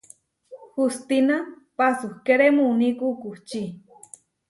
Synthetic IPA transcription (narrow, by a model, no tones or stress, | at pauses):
hust̪ina | pasuhkeɾemunikukuht͡ʃi